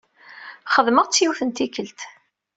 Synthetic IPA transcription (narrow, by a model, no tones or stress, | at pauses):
χəðˤməʁt͡sːjuθənt̪ikəlt̪